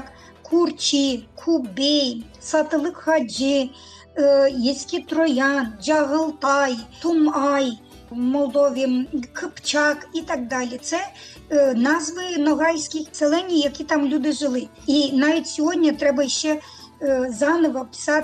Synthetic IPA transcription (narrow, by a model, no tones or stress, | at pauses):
k | kʰurt͡ʃikʰubʲij | sɐt̪elˠɪkhɐd͡ʒɪ | jisʲkʲɪt̪ɾɔjɑnd͡ʒɐɦɔlˠt̪ɑjt̪ʊmɑj | mɔlˠd̪ɔʋʲikʰɪpt͡ʃɑkit̪ɑɡ̚d̪ɑlʲit̪sɛ | nɑzʋɪnɔɦɑjsʲkʲɪxselˠɛnʲːijjɐkʲit̪ɑmlʲud̪ɪʒɪlˠɪ | inɑʋʲitʲsʲɔɦɔdʲnʲɐt̪ɾɛbɐʃt͡ʃɛ | zɑnɔʋɐpɪ̥sɑt̪